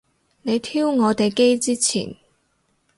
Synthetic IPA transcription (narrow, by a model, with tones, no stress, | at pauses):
ne˨˧jt̪ʰiː˥wŋɔː˨˧t̪e˨jke˥jt͡siː˥t͡sʰḭː˨˩n